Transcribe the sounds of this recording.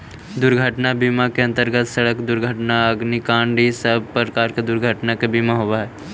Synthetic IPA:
d̪ʊɾɡʱəʈnabiːmakeɐ̃nt̪əɾɡət̪səɽəkd̪ʊɾɡʱəʈnaəɡnikãːɳɖisəb̚ʱpɾəkaːɾked̪ʊɾɡʱəʈnakebiːmaɦoʋaɦɛː

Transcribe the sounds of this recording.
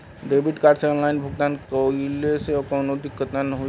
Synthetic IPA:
ɖeːbɪʈkaːɾʈseɔ̃ːnlaːɪnbʱʊɡt̪aːnkoileseɔkɔːnod̪ɪkːət̪nanəɦo

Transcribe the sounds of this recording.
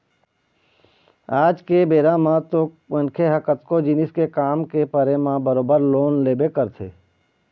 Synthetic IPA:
aːd͡ʒkebeːɾãmãt̪o | ənkʰeɦəkət̪kod͡ʒɪnɪskekaːmkepəɾemãbəɾoːbəɾloːnleːbekəɾt̪ʰḛː

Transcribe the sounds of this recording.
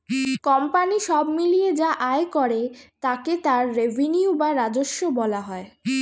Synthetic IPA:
kɔmpaniʃɔbmilied͡ʑaʔaekɔɾet̪aket̪aɾːevʱeniubaɾad͡ʑoʃːobɔlaɦɔe

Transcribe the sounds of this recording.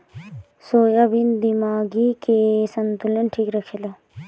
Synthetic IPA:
soːjabind̪imaːɡikesɐnt̪ulenʈʰiːkɾɐkʰela

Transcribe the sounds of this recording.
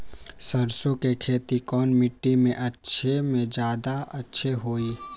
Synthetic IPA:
səɾsõkekʰeːt̪ikɔːnmɪʈːimẽʔɐtːʃʰemẽd͡ʒjaːd̪aɐtːʃʰeɦoːiː

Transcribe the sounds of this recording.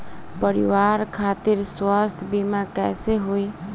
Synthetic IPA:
pəɾḭʋaɾkʰat̪iɾswast̪ʰbimakɛ̰seɦoi

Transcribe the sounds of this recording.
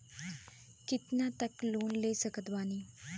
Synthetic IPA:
kit̪nat̪əkloːnlesəkət̪ʋani

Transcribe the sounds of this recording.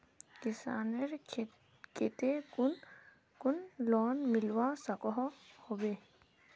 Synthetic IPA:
kɪsa̰ːneɾ | ket̪e | kʊnlɔːnmɪlwasəkɔɦhobeː

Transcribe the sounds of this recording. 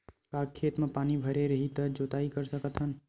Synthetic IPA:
kaːkʰːeːt̪mẽpaːnibʱɐɾeɾɐɦit̪əd͡ʒoːt̪aːikəɾsɐkət̪ɦən

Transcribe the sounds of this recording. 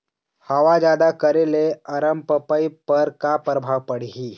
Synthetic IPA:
həʋad͡ʑad̪akəɾeleəɾəmpəpəjpəɾkapɾəbʱaʋpəɽ̤ɦiː

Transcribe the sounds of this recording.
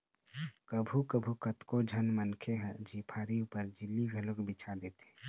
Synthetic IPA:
kəbʱukəbʱukət̪kod͡ʒʱɐnmənkʰeɦd͡ʒiːpʰaːɾiʊpəɾd͡ʒɪlːiɡʱəlʊkbɪt͡ʃʰad̪eːt̪e̥

